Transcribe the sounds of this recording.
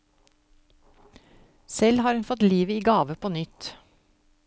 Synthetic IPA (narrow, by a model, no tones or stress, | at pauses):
sɛlhɑːɾʉnfɔt̪liːʋəiːɡɑːʋəpʰoːnʏt̪